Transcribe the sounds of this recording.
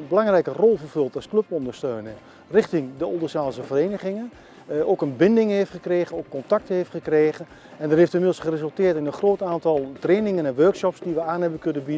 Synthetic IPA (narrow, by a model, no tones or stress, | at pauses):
bəlaŋrɛjkərɔlˠvərvɵlˠtɔskløpɔndəɹstøːnə | rɪχtɪŋdəɔlˠdəsaːlˠsəvəreːnəχɪŋə | oːkənbɪndɪŋheːftχəkreːɣənoːkːɔntak̚təheːftχəkreːɣən | ɛndɔtɦeːftɪnmɪdl̩ˠsχərezɵlˠtɪːətɪnənχroːtaːntɑlˠtreːnɪŋənɛnʋørksɔpsdiʋəaːnhɛbəkønəbid